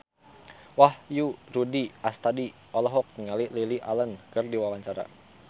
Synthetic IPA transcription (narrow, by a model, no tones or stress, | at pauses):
wahjuɾudiast̪adi | ɔlɔɦɔk̚niŋalililiʔalənkərdiwawaɲt͡ʃaɾa̰